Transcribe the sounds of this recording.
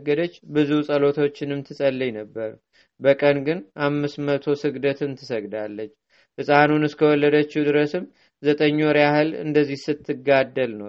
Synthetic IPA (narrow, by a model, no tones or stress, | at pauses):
ɡːəd̪ət͡ʃːbɨzusʼəlo̞t̪ʰo̞t͡ʃːɪnɨmt̪ʰɨsʼəlːɨjnəbːəɾ | bəkʼənɡɨnʔamːɨsmət̪ʰo̞sɨɡd̪ət̪ɨnt̪ʰɨsəɡd̪alːət͡ʃː | hɨsʼanunɨskʰəwɔlːəd̪ət͡ʃːid̪ɨɾəsɨm | zət̪ʼəɲːoɾjahɨlɨ̰nd̪əzːihsɨt̪ʰːɨɡad̪ːəlnəw